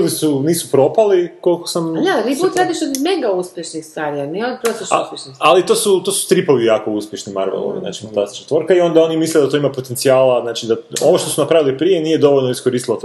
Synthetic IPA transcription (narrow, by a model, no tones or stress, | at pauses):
lisuniːsupɾo̞paliko̞lko̥samat̪ibut̪ɾaːd̪iʃod̪meɡauspʲjeʃnixst̪aɾianiopɾosiʃuspʲjeʃnisalit̪oːsut̪osu̥st̪ɾipo̞ʋijaːko̞uspje̞ʃnima̰ɾʋḛlˠo̰ʋḭzna̰ːt͡ʃi̥fant̪ast̪i̥t͡ʃat̪ʋoɾkaio̞nd̪ao̞nimisled̪at̪o̞imapot̪eniaːlaznaːt͡ʃid̪aonoʃt̪osunapɾaʋilipɾijeniːje̞d̪o̞ʋo̞ʎlnoiskoɾiːst̪ilˠot̪